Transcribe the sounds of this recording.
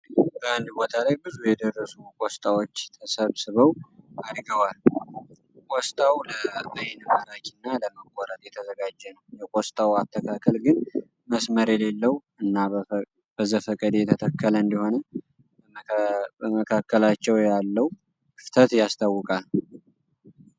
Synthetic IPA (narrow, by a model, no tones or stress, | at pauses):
bəand̪bo̞t̪ʰalajbɨzujɛd̪ərːəsukʼost̪ʼawot͡ʃːt̪ʰəsəβsɨβəwad̪ɡəwal | kʼɔst̪ʼawləʔajnɨməɾat͡ʃinːaləməkʷʼːɔɾət̪ʼjɛt̪ʰəzəɡad͡ʒːɛnəwjɛkʼost̪ʼawat̪ʰːəkʰakʰəlɡɨn | məsməɾjɛle̞lːəw | ɨnːa | b̥əzəfəkʼəd̪et̪ʰət̪ʰəkʰːələɨnd̪iho̞nə | əməkʰakʰːəlat͡ʃːɛwjalːəw | ft̪ʰət̪jast̪ʰawːʊkʼal